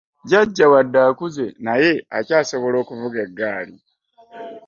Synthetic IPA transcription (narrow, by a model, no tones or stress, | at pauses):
ɟaɟːawadːaːkuze̞naje̞acaːso̞βo̞lo̞ːkuvuɡe̞ɡːaːli